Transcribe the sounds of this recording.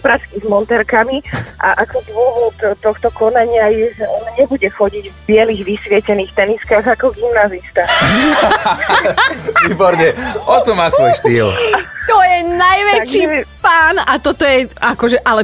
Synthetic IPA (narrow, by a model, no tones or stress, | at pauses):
pɾaskizmɔnt̪ɛɾkamiʔa̰ʔakɔd̪ʊɔʋɔt̪t̪ɔxt̪ɔkɔnaɲɪajɛʒɛɔnaɲɛbuɟɛxɔɟiɟvbɪɛliɣʋisʋɪɛcɛniːxt̪ɛniskaɣakɔɡimnazist̪a | ʋiːbɔɾɲɛɔt͡ʃɔmaːsʋɔjʃt̪iːlt̪ɔjɛnajʋɛt͡ʃipaːnat̪ɔt̪ɔjɛakɔʒɛʔalɛ